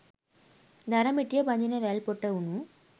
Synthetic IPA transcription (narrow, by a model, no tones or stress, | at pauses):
d̪ɐɾɐmiʈːijɐbɐnd̪ineʋeːɭpoʈːɐʋunu